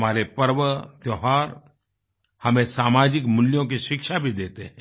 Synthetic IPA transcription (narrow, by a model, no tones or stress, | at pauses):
maːɾepɐɾʋət̪jɔɦaːɾ | hɐmẽsaːmaːd͡ʒɪkmʊljõkiʃɪkʃabʱid̪eːt̪eɦɛ̃ː